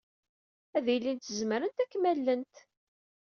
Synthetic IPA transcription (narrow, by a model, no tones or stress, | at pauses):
æðjlːint̪əzməɾənt̪ækːmælːənt̪